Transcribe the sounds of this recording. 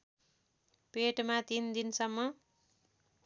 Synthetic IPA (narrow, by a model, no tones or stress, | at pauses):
peʈmat̪ind̪insʌmːʌ